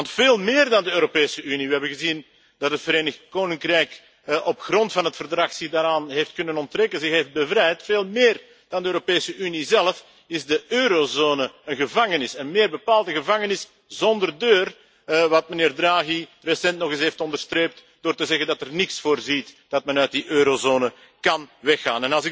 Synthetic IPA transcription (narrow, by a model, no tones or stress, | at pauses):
ʋɑntfeːlˠmɪːrdɑndəøːɾopeːsəyniʋəɦɛbənɣəzin | d̥ɑtɦətfəɾeːnəxtkoːnɪŋkrɛjk | ʔɔpxrɔntfɑnɦətfərdɾrɑxsɪdaːɾaːnɦeftkɵnənɔntrɛkənzɪxɦeːft̚bəvɾɛjtfeːlˠmeːr | d̥ɑndəøːɾopeːsəʔynizɛləf | ɪzdəøːɾozoːnəənɣəvɑŋənɪsənmeːrbəpaːlˠdəɣəvɑŋənɪs | zɔndərdøːr | ʋɑt̚məneːrdraːɣiresɛntnɔɣɪsɦeːftɔndərstreːp̚t | d̥oːrtəzɛɣəndɑtɛrnɪksfoːrzitd̥ɑtmɛnœɥt̚diʔøːɾozoːnə | kɑnʋɛxːa̰ːnɛnɑlˠzɪk